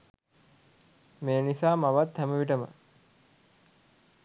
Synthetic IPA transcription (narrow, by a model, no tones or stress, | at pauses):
mejənisaːmaʋat̪hæməʋiʈ̬əmə̰